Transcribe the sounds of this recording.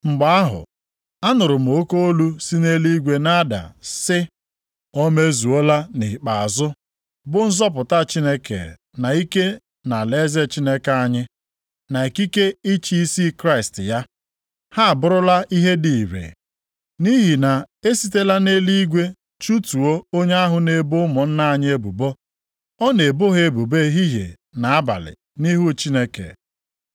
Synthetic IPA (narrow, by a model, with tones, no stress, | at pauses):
ŋ͡m̩˨ɡ͡ba˨a˦ɦʊ̰˨ | a˦nʊ˨ɾʊ˨m̩˨o˦ko˦o˦lu˦si˦ne˦li˦ɡʷe˦na˦da̰˨sɪ˦ | o˦me˦zu˨o˦la˦ni˨k͡pa˨a˨zʊ˦ | bʊ˦n̩˦zɔ˦p̬ʊ˨ta˦t͡ʃi˦ne˦kḛ˨ | na˨i˦ke˦ | na˨le˦ze˦t͡ʃi˦ne˦ka˦ɲɪ˦ | na˨e˨ki˦ke˦i˦t͡ʃi˦i˦si˦kɾa˦ɪ˨stɪ˨ja˦ | ha˦a˨bʊ˦ɾʊ˦la˦i˦ɦe˦di˨i˨ɾḛ˨ | ni˦ɦi˨na˨e˦si˨te˦la˦ne˦li˦ɡʷe˦ | t͡ʃu˦tu˨o˦o˦ɲe˦a˦ɦʊ˨ne˦bo˦mɔ˨n̩˦na˦a˨ɲ˦e˦bu˨bo˦ | ɔ˦ne˨bo˦ɦe˨bu˨be˦ɦi˦ɦḛ˨ | na˨a˦ba̰˨lɪ̰˨ | ni˦ɦu˦t͡ʃi˦ne˦kḛ˨